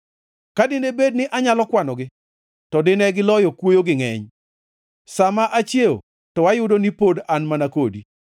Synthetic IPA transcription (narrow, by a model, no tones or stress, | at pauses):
kadɪnebed̚nɪʔaɲalɔkwanɔɡɪ | tɔdɪnɛɡɪlɔjɔkwojoɡɪŋɛ̰ɲ | samaʔat͡ʃjeo̰ | tɔwajʊdonipodanmanakodi